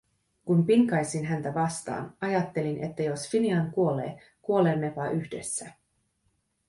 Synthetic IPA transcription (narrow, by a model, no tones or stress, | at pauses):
kunpiŋkɑjsinɦænt̪æʋɑst̪ɑ̰ːnɑjɑt̪ːe̞linʔe̞̰t̪ːæjo̞sfiniɑŋkuo̞le̞̰ː | kuoleːnːepɑʔyçde̞sːæ